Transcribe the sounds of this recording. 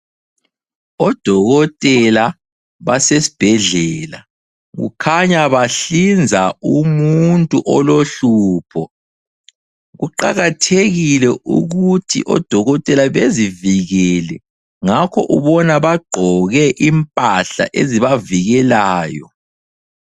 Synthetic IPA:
ɔd̥ʱɔɣɔtʼɛla | βasesi̥b̥ʱɛɮɛːla | ɣṵkʰaɲaβaɬind͡zʱaumuntʼuʔɔloɬuːpʰɔ | ɣuǃaɣatʰeɣilɛʔṵɣutʰḭʔɔ̰d̥ʱɔɣɔtʼɛlaβeziviɣɛlɛ | ŋakʰɔʔuβɔnaβaɡ͡ǃʱɔɣɛʔimpʼaɬa̰ʔeziβaviɣɛlaːjɔ̰

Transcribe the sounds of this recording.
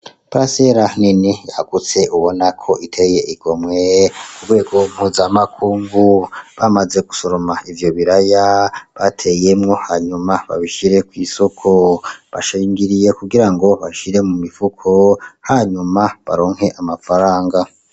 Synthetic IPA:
pɾase̞ɾaninijaɡ̥ut͡se̞ʔuβo̞nakʰo̞ʔitʰe̞je̞ʔiɡo̞mŋeuɾɡwe̞ːɡo̞m̥huːzamakʰuːŋɡuβamaze̞ɡuso̞ɾomaivjo̞βiɾajaβatʰe̞je̞mŋo̞haɲumaβa̰βiʃiɾe̞kwiːso̞kʰo̞βa̰ʃiːŋɡiɾije̞kuɡiɾaŋɡo̞βaʃiɾemumivukʰo̞haɲumaβa̰ɾo̞ːŋ̥he̞ʔamafaɾaːŋɡa

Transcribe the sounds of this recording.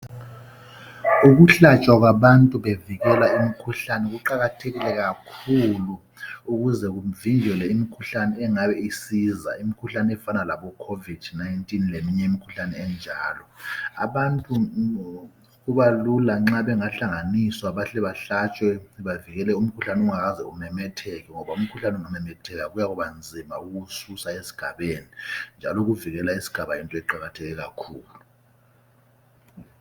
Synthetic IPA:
uɣuɬat͡ʃʼwaɣwaβantʼuβeviɣɛlaimikʰuɬanɛɣuǃaɣatʰeɣilɛɣakʰulu | uɣuzɛɣuviŋd͡ʒʱɛlɛimikʰuɬanɛːŋaβɛisiːza̰imikʰuɬanɛɛfanalaβɔkʰovid̥najntʼinlemiɲɛimikʰu̥ɬanɛːnd͡ʒʱaːlɔa̰βantʼu | ɣuβalulaŋ͡ǁaβɛŋaɬaŋaniswaβaɬɛβaɬat͡ʃʼwɛβaviɣɛlɛum̩kʰuɬanɛuŋaɣazɛumɛmɛtʰɛɣɛŋɔβaum̩kʰuɬanɛuŋumɛmɛtʰɛɣaɣujaɣuβand͡zʱima̰uɣususaesi̥ɡ̥ʱaβenind͡ʒʱalɔɣuviɣɛlaisi̥ɡ̥ʱaβajintʼɔɛǃaɣatʰɛɣɛɣakʰuːlu

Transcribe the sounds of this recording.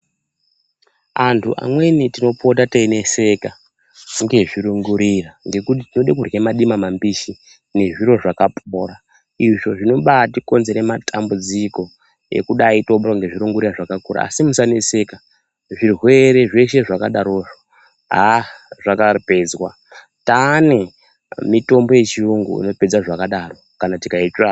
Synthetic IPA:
antʰuʔa̰mwe̞nitino̞pʰo̞tateine̞se̞ka | ŋɡe̞ʐiɾuŋɡuɾiraŋɡe̞kut̬itino̞ɗek̬urjemaɗimamambiʃi | ne̞ʐiɾo̞ʐakapʰoːra | iʐo̞ʐino̞ɓatiko̞nze̞ɾematʰambud͡ziko̞ | e̞̰kuɗaitoɓoraŋɡe̞ʐiɾuŋɡuɾiraʐakakuɾa̰a̰simusanese̞ka | ʐirwe̞ɾe̞ʐe̞ʃe̞ʐakaɗaɾoːʐo | ɦaʐakape̞d͡zwa | tane̞ | mito̞mbo̞je̞t͡ʃiuŋɡṵḭno̞pe̞d͡zaʐakaɗaro̞ | kanatikait͡ʃa

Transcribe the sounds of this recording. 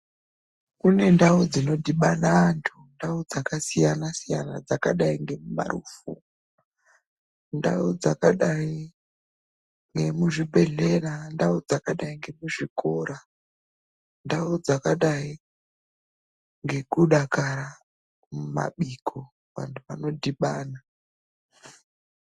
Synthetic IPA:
kune̞ndaud͡zino̞diɓanaːntʰundaud͡zakasijanasija̰na̰d͡zakaɗaiŋɡe̞muma̰ruːfṵ | nda̰ud͡zakaɗai | ŋɡe̞muʐibʱeɮe̞randaud͡zakaɗaiŋɡe̞muʐikoɾa | ndaud͡zakaɗai | ŋɡe̞kuɗakaɾa | muma̰ɓikʰo | ʋa̰ntʰuʋano̞dʱiɓaːna

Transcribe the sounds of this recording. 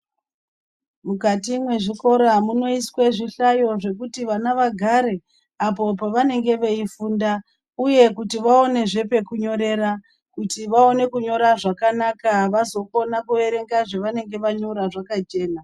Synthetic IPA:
mukatimwe̞ʐiko̞ɾamuno̞isweʐiɬajo̞ʐe̞kutiʋanaʋaɡʱaɾe̞ | apo̞paʋane̞ŋɡe̞ʋeifuːnda | uje̞kutiʋao̞ne̞ʐe̞pe̞kuɲo̞ɾe̞ɾa | kutiʋao̞ne̞kuɲo̞ɾaʐakanakaʋazo̞ko̞nakuʋe̞ɾe̞ŋɡaʐeʋane̞ŋɡe̞ʋaɲo̞ɾaʐakat͡ʃe̞ːna

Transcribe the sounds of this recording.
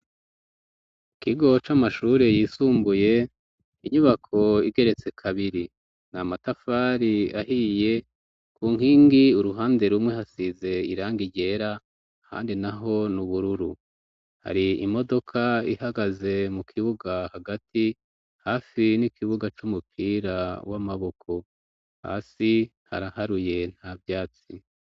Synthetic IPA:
kiɡo̞t͡ʃamaʃuːɾe̞jiːsuːmbuje̞ | iɲuβakʰo̞iɡe̞ɾe̞t͡se̞kʰaβiɾi | namatafaːɾiahiːje̞ | kuːŋ̥iːŋɡiuɾuɦaːnde̞ɾumŋe̞ɦasize̞iɾaːŋɡiɟe̞ɾa | ha̰ːndinaɦo̞nuβuɾuɾu | ha̰ɾiimo̞do̞kʰaihaɡaze̞mukʰiβuɡahaɡatʰi | haːfinikʰiβuɡat͡ʃumupʰiːɾawa̰maβo̞kʰo̞ | ha̰ːsi | ha̰ɾahaɾuje̞n̥haːvjaːt͡si

